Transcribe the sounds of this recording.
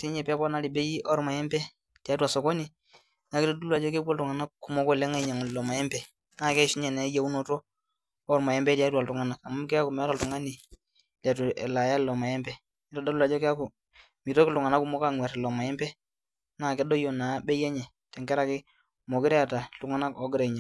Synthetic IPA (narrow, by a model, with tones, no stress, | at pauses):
si˦ɲɛ˨ppɔ˦na˦li˨bɛ˦ji˦ʔɔ˦ɾma˨jɛ˦mbɛ˦ | ti˨a˨˦twa˨sɔ˨kɔ˦ni˨ | na˨kɪ˦tɔ˦do˦a˨d͡ʒɔ˦kɛ˦bɔ˦ltʊ˨ŋa˨na˦ku˨mɔ˦kɔ˦˨lɛ˦ŋa˦ɲa˨ŋ˨lɔ˨ma˨jɛ˦mbɛ˨ | naː˦˨kɛ˦ʃi˦ɲɛ˨nɛ˨˦ja˦u˦nɔ˦tɔː˦ | ɾma˨ɛ˦mbɛ˦tja˦twa˨tu˨ŋa˨na˨ka˨m˦kɛ˦a˦ku˨mɛ˨˦ɾa˨tu˨ŋa˦ni˨ | lɛ˨tu˨ɛ̰˨la˨ja˦˨lɔ˨ma˨jɛ˦mbɛ˦ | i˦tdo˦lu˦la˨d͡ʒɔ˦kɛ˦a˦kʊ˨ | mi˨tɔ˦kɪ˦lʊ˨ŋa˨na˦ku˦mɔ˦ka˦ŋwɛ˨ɾlɔ˨ma˨jɛ˦mbɛ˦ | na˦˨kɛ˦dɔ˦jɔ˨na˨bɛ˦jɛ˦ɲɛ˨ | tɛ˨ŋɡɛ˦ɾa˦kɪ˦ | mɔ˨ɡɪ˦ɾɛ˦a˨ta˨lu˨ŋa˦na˦kɔ˦ɡɪ˦ɾɛ˨ɲa˨